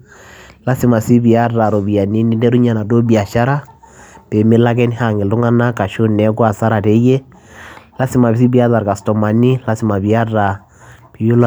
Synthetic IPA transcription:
la˦sɪ˨ma˨si˦bi˨a˦ra˨ɾo˨bi˨ja˨ni˦ni˦dɛ˦ɾu˦ɲa˨na˨do˦bi˨a˨ʃa˦ɾa˦pɛ˨mɪ˦la˦k̬ɛ˦n˦ha˨ŋɪ˨ldʊ˦ŋa˦na˦ka˨ʃʊ˦nɛ˨˦kwa˨sa˦ɾa˨tɛ˦jɛ˦ | la˦sɪ˨ma˨pi˦si˦bi˨a˦za˨ɾka˨stɔ˨ma˨ni˦la˦sɪ˨ma˨bi˨a˦ra˨ | pi˨ju˦l

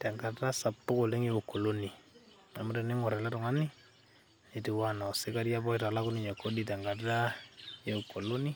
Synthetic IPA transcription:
tɛ˨ŋɡa˨ta˦sa˨pːo˦ko˨le˦ŋe˦u˨kːo˨lo˦ni˨ | a˨mʊ˦ɾɛ˨nɪ˦ŋɔ˨ɾɛ˨la˦tʊ˨ŋa˦ni˦ | e˨tɪ˨wa˨na˨sɪ˦ka˦ɾja˦bɔ˦i˦ta˨la˦kʊ˦ni˨ɲa˨ko˦di˦tɛ˨ŋɡa˨˦a˦je˦u˨kːo˨lo˦ni˦

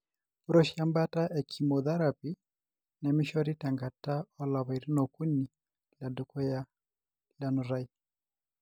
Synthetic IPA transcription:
u˦ɾɔ˦ʃjamba˦ta˦ʔɛ˨kʰi˨mo˨ða˦ɾapi˦ | nɛ˨mi˦ʃɔ˦ɾi˦ta˨ŋɡa˨ta˦ɔ˦la˨βɔ˨i˨ɾi˦nɔ˨ku˦ni˨ | la˨dukɔ˦ja˦ | la˨nu˨ɾa˦i˦

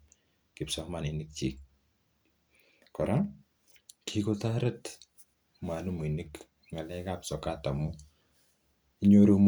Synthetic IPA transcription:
ki˨psɔma˨ni˨nik̚t͡ʃḭ˨k̚ | kɔ˨ɾa | kʰi˨kota˦ɾɛ˦t | ma˨nu˦m˨i˨ni˦k | ŋa˨lɛ˦ka˨psɔ˨ka˦ta˨mu˦ | i˦ɲo˦ɾo˦m

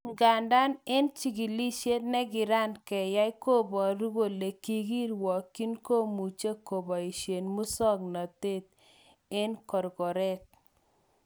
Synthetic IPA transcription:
ŋɡa˨nda˦ne˦nt͡ʃi˨ɡi˨li˦ʃe˦nɛ˦ɡɪ˨ɾa˦˨nkɛ˨ja˦i˦ko˦bɔ˨ɾu˦ɡo˨le˨ki˨ɡi˦ɾwɔ˨ki˦nko˦mu˨t͡ʃe˦ko˨bɔ˨i˨ʃje˨nmu˦sɔ˦kna˨t̪e˦˨t̪̚ | e˦nkɔ˨ɾɡɔ˨ɾɛ˦t̚

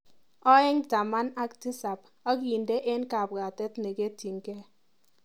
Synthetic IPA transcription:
ɔ˦ɪ˦ŋta˨ma˦na˦k̚ti˦sa˨p̚ | ɔ˦ki˨nde˦ʔe˦nka˨p̚ka˨tɛ˦tne˨ke˦ti˨ŋkɛ˦

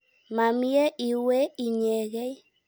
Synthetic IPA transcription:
ma˨mi˦ɛ˦ʔi˨wɛ˦i˨ɲɛ˨ɣɛ˦i˦

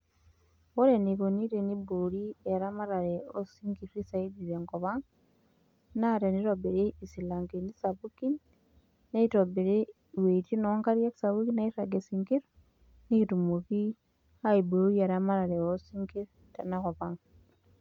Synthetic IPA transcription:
wo˦ɾe˨ni˨ko˨ni˦ɾe˨ni˦boɾi˦e˨ɾa˦ma˦ɾa˨ɾe˨o˦si˦ŋki˨ɾi˦sa˨i˦bi˨ɾe˨ŋkɔ˨βaŋ | na˦te˨ni˦ɾobe˨ɾe˦i˨si˨la˨ŋke˨ni˦sa˨bu˦ki˦nː | e˦i˦to˨be˨ɾe˦ | we˨ti˦noŋka˦ɾija˦ksa˨βu˦ki˦na˦i˦ɾa˨ɡe˨siŋki˦ɾ | ni˦itu˨mo˨ki˦ | a˦i˨bo˨˦i˦e˨ɾama˦ɾa˨ɾe˨o˦si˦ŋki˦ɾ | ta̰˨na˦ko˨βaŋ

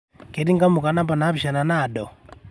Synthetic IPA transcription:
kɛ˨di˦ŋɡa˦mu˨ka˨na˦mba˨na˦βi˨ʃa˨na˨naː˦˨dɔ˨

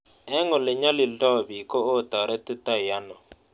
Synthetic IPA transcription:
ɛ˦ŋɔ˨lɛ˨ɲa˦li˨tʼɔ˦ɓi˨kʼɔ˦ɔ˦t̪a˨ɾɛ˦tʼi˦tʼa˦˨ja˦nɔ˨

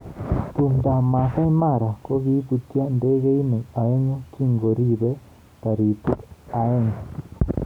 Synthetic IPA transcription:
t̪u˨mda˨ma˨ka˦i˦ma˦˨ɾa˨kɔ˦ɡi˦bu˨t̪ja˦nde˦ɡe˦i˦mɛ˨a˨e˦ɲo˦ki˦ŋɡo˨ɾi˦˨be˦ | ta˨ɾi˨t̪ɪ˦ka˨ɛ˦ɲo˨

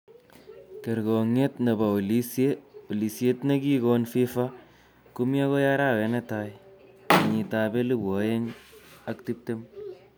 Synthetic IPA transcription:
ke˨ɾɡo˨ŋe˦tne˨ba˨li˦se˦o˨li˨sje˦tne˦ki˦ko˦nfi˦fa˦ | ku˦mja˦ko˦ja˦ɾa˦˨wɛ˨˦ne˦ta˨j | ɲi˨ta˨be˦lu˦bwɔ˨je˦ŋa˦k̚ti˦p̚te˦m

